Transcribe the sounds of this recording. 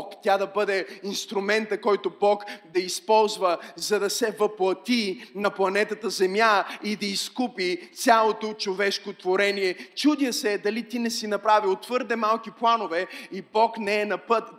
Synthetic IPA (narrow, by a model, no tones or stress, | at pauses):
kt̪ʲjad̪ɐbɤd̪ɛinst̪ɾʊmɛnt̪əkɔjt̪obɔkd̪ɐispɔlˠzvəzɐd̪ɐsɛvəplˠɐt̪inɐplˠɐnɛt̪ət̪əzɛmjaid̪ɐiskupit̪sʲjalˠot̪ot͡ʃovɛʃkot̪voɾɛnijɛt͡ʃud̪jəsɛd̪ɐlit̪inɛsinɐpɾaviot̪ːv̥ɤɾd̪ɛmalˠkiplˠanovɛibɔknɛɛnɐpət̪